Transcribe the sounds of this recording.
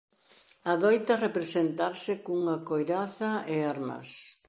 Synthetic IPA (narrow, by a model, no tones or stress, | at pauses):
aðojt̪ɐrepɾesent̪aɾsɪkuŋɐkojɾaθɐeaɾmɐ̰s